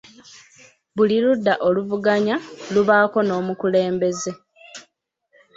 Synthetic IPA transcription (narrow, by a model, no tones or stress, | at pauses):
βuliludːaʔo̞luvuɡaɲaluβaːko̞no̞ːmukule̞ːmbe̞ze̞